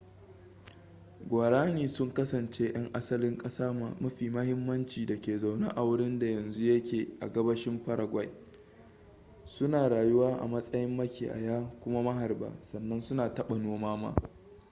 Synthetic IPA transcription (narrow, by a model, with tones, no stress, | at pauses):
ɡʷaː˨ɽaː˦niː˨sʊ˦ŋkɐ˦sɐ˨nt͡ʃe˦ʔɐ˦ŋʔa˦sɐ˦lɪ˦ŋkʼɐ˦saː˦ma˨mɐ˦ɸiː˨mɐ˦hɪ˦mːɐ˦nt͡ʃiː˨dɐ˨kʲeː˨za˨wna̰˦ʔa˨wɽɪ˦nda˨jɐ˨nzu˦jɐ˦kʲeː˨ʔa̰˨ɡɐ˦bɐ˦ʃɪ˦mɸɐ˦ɽa˨ɡʷa˨j | sʊ˦naː˨ɽaː˨jʊ˦waː˦ʔa̰˨mɐ˦sʼɐ˦jɪ˦mːɐ˦kʲḭː˨ʔa̰˨jaː˦kʷʊ˦ma˦mɐ˦ɦa˨rba̰ː˨sɐ˨nːɐ˦nsʊ˦naː˨tɐ˦ɓa˨noː˦maː˦ma̰ː˦